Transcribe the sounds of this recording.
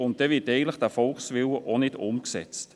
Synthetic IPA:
ʊnt̚d̥ɛvɪtɛɪɡən̩tləχd̥afɔlksʋɪləʔonɪdʊmksɛ̰t͡st

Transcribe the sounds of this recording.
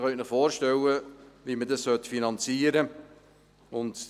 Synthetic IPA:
χœnəχfɔːɾʃtɛwəʋimədɑssœtfinɑnt͡siːəɾə | ʊnt

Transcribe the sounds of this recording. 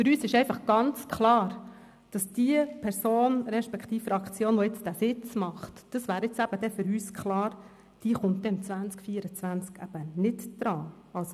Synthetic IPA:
fʏɾyːsɪʃɛfɑχɡ̥ɑnt͡skχlɑːɾ | d̥ɑsd̥iəpʰɛɾsoːnɾɛʃpɛkχt̪iːfəɾɑkt͡sjoːnʋɔɪt͡sd̥æsɪt͡smɑχtd̥ɑsʋæːɾɪt͡sæb̥əd̥ɛfʏɾyːskʰχlɑːɾ | d̥iːχʊntdɛɪmt͡sʋænt͡skfiːəɾət͡sʋænt͡skæ̰b̥ənɪdd̪̥ɾɑːɑlso

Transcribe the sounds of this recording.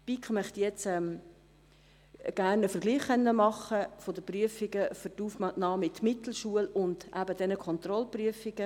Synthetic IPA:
pikʰχmœχtjɛt͡sɛm | ɡ̥æɾnəfəɾʁɡliːχːɛnːəmɑχəfodəpryəfɪɡəfʏɾtuːfmɑnɑːmɪtmɪtl̩ʃuəlʊnd̥ʔæbədɛnəkʰɔnt̪rɔlpryəfɪɡ̥ə

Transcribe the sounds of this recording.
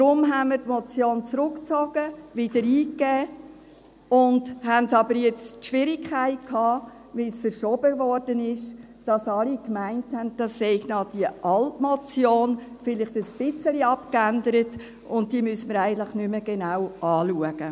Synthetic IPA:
d̥ɾʊmɦænməɾtmɔt͡sjoːnt͡sɾʊkt͡sɔɡ̥əvɪd̥əɾiːkːɛː | ʊndhæntɑbəɾjɛt͡stʃʋɪɾɪkʰæɪt̚kʰhɑː | ʋɪsfəɾʃɔbəvɔɾd̥ənɪʃ | d̥ɑsɑlikmæɪnthændd̥ɑsːɛɪɡnɑːd̥iəʔɑltmɔt͡sjoːnfɪlɪχtəsb̥ɪt͡səliɑpkændəɾət | ʊnt̚diəmysəməɾæɪɡən̩tlɪχnʏməɡ̥enawʔɑːluəɡ̥ə

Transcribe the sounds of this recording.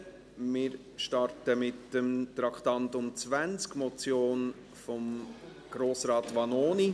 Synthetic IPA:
mɪːɾ | ʃtɑɾtəmɪtəmt̪ɾɑkχt̪ɑnt̪ʊmt͡svænt͡skmɔt͡sjoːn | fɔm | ɡ̥ɾoːsɾɑːt̪ʋɑnoːni

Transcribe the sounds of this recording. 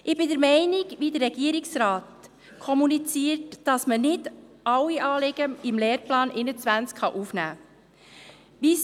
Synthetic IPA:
ʔɪbɪdəɾmɛɪnɪɡʋidəɾːɛɡiəɾiksɾɑːt | kʰɔmunit͡siːəɾtd̥ɑsmənɪdʔɑwiʔɑːlɪɡ̥əɪmleːɾplɑːnʔɪnət͡sʋænt͡skχɑʔufnæː | ʋis

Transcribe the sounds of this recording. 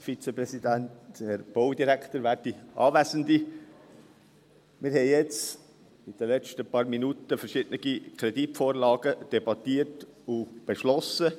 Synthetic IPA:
fit͡sepɾɛsidænthɛɾb̥oʊd̪iɾæktəɾʋæːɾdiʔɑ̰ːvæsəndi | mɪɾhɛɪjɛt͡s | id̥ɛlɛt͡ʃtəpɑːɾminutəfəɾʃɪd̥ənəɡ̥ikʰɾɛditfoːɾlɑːɡəd̥ɛbɑt̪iːərt | ub̥eʃlɔsə

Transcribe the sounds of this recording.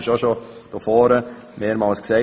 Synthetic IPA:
ɪʃoʃod̥ɔfɔːɾə | meːɾmɑlsksɛ

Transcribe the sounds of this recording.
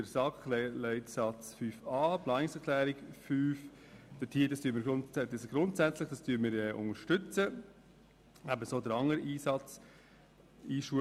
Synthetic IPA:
dəɾsɑkχlɛlɛɪtsɑt͡sfyːfɑːpʰlɑːnɪŋsɛkʰlæːɾɪɡfyːf | d̥ətʰiːdɑstyːənmɪɾɡʊndesɡ̥ɾʊntsæt͡slɪχd̥ɑstyːənmɪɾɛʔʊ̰ŋəɾʃtɵt͡sə | æbəsoːdəɾɑŋəɾiːsɑt͡s | iːʃuə

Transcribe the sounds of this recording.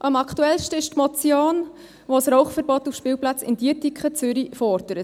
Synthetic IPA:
ʔɑmɑkʰtuɛlʃtəɪʃtmɔt͡sjoːn | ʋosɾɔʊχfəɾbɔt̪ufʃpɪːwplɑt͡sɪ̰nd̥iətikχət͡sʏɾifɔɾd̥əɾə

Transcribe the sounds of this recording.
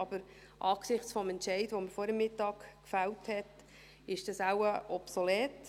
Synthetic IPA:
ɑb̥əɾ | ʔɑːksɪχt͡sfɔmɛntʃɛɪdʋoməɾfɔːɾəmːɪtːɑːkkfælthɛt | ɪʃd̥ɑsawəɔpsolɛːt

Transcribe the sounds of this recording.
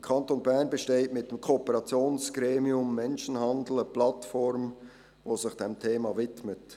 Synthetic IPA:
kʰɑntonbæʁnbəʃteːtmɪt̚d̥emkʰoːpəʁɑt͡sjoːnsɡ̥ʁeːmiʊmːɛnʃənhɑndl̩əplɑtfɔɾm | voːsɪχd̥ɛmtʰeːmɑvɪtmət

